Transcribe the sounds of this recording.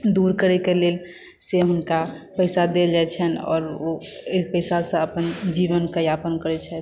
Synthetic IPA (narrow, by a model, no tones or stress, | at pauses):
d̪uɾkəɾekeleːl | seɦʊnka | pəɪsad̪ed͡ʒat͡ʃʰənɔ̰ːɾopəɪsasə̃əpənd͡ʒiʋənkəjapənkəɾɛt͡ʃʰɛ